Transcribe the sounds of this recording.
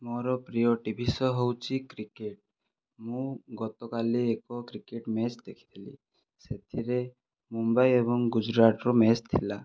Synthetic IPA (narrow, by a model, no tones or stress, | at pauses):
mɔɾɔpɾijɔʈibʱisɔɦowt͡ʃʰikɾikeʈ̚ | mũɡɔt̪ɔkaliekɔkɾikeʈmet͡ʃd̪ekʰi̥t̪ʰilḭ | set̪ʰiɾe | mumbajebɔŋɡud͡ʒɾaʈɾɔmet͡ʃt̪ʰila